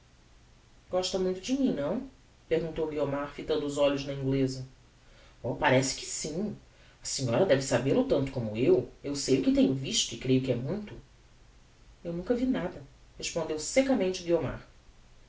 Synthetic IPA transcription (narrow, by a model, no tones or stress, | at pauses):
ɡ̥ɔʃt̪ɐmũj̃t̪ʊd͡ʒɪmĩɲnɐ̃w̃ | peɾɡũnt̪owɡiomaɾfit̪ɐ̃nd̪ʊːzɔʎʊznɐĩŋɡlezɐ | ɔpaɾɛsɪ̥kɪ̥sĩ | ɐsĩɲɔɾɐd̪ɛvɪsabelʊt̪ɐ̃nt̪ʊ̥kõmʊewewsejʊkɪt̪ẽɲʊviʃt̪ʊɪkɾejʊkɪɛmũj̃t̪ʊ | ewnũkɐvinad̪ɐheʃpõnd̪ewsekɐmẽnt͡ʃɪɡioma̰ɾ